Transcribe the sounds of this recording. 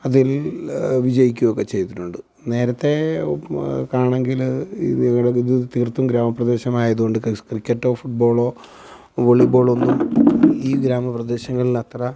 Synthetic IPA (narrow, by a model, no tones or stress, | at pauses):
ɐðil | ʋid͡ʑɐjik̬ʲːuʋokːe̞t͡ɕe̞jt̪iʈːuɳɖɨ | ne̞ːɾɐt̪ːe̞ | kaːɳe̞ŋɡil | ŋːɐɽeiðɨt̪irt̪ːumɡɾaːmɐprɐd̪e̞ːɕɐmaːjɐðuɣo̞ɳɖɨkkrikʲːɐʈːo̞ːfuʈ̚bo̞ːɭo̞ː | ʋoɭibo̞ːɭo̞nːumiːɡɾaːmɐprɐd̪e̞ːɕɐŋːɐɭilɐt̪rɐ